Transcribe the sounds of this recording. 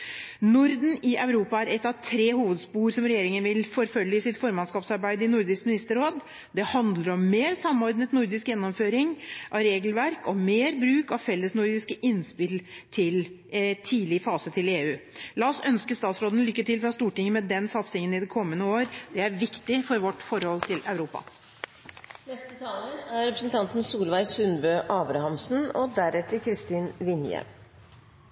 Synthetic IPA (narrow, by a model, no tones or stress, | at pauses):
nʊɾd̪n̩ɪʔœʉɾuːpɑæɾɛt̪ːɑʋt̪ʰɾeːhuːʋəd̪spuːɾsɔmɾɛjeːɾɪŋənʋɪlfɔɾfœlːɪɪsɪt̪fɔɾmɑnskɑːpsɑɾbæɪd̪əɪnʊɾd̪ɪskmɪnɪst̪əɾoːd̪ | d̪ɛhɑnd̪ləɾɔmːeːɾsɑmːɔɾd̪nət̪nʊɾd̪ɪskjɛnːɔmføːɾɪŋʔɑʋɾeːɡəlʋæɾkɔmeːɾbɾʉːkɑʋfɛlːəsnʊɾd̪ɪskəʔɪnspɪlt̪ʰɪl | t̪ʰiːlɪəfɑːsət̪ʰɪleːʉːlɑɔsœnskəst̪ɑːt̪sɾoːd̪nlʏkːət̪ɪlfɾɑst̪uːʈɪŋːəmɛd̪ɛnsɑt̪sɪŋənɪd̪ɛkʰɔmːənəoːɾd̪̥ɛæɾʋɪkt̪ɪfɔɾʋɔʈːfɔɾhɔlt̪ʰɪlɑʉɾuːpɑ̰ | nɛst̪ət̪ʰɑːlənæɾɾɛpɾəsən̩t̪ʰɑnt̪n̩suːlʋæɪsʉnbøːʔɑːbɾɑhɑmsn̩ɔd̪æɾɛt̪ːəkʰɾɪst̪iːnʋɪnjɛ̰ʋ